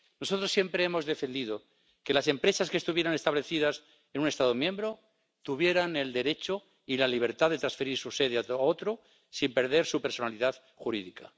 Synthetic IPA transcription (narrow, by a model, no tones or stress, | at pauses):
noso̞t̪ɾo̞sːje̞mpɾe̞emo̞zðe̞fe̞nd̪ið̞o | ke̞lase̞mpɾe̞saskest̪uβje̞ɾane̞st̪aβle̞θið̞as | e̞nũne̞st̪aðo̞mjẽ̞mbɾo̞ | t̪uβje̞ɾane̞ld̪e̞ɾe̞t͡ʃo | ilaliβ̞e̞ɾt̪aðe̞t̪ɾansfe̞ɾiɾsuse̞ðeaao̞t̪ɾo | simpe̞ɾð̞e̞ɾsupeɾso̞naliðað | xuɾiðika